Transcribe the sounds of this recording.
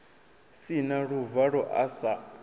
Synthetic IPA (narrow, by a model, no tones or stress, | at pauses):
sinaɺuvaɺɔʔasa